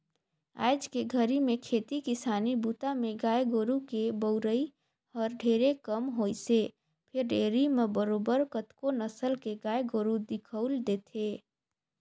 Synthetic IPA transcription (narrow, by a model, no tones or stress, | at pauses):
a̰ːjd͡ʒkeɡʱəɾimẽkʰeːt̪ikɪsaːnibut̪amẽɡaːjɡoːɾukebəʊɾəi | ɔːɾɖʱeːɾekəmɦoːjse | pʰɪɾɖeːɾimebəɾoːbəɾkət̪konəsəlkeɡaːjɡoːɾud̪ɪkʰəʊld̪eːt̪ʰeː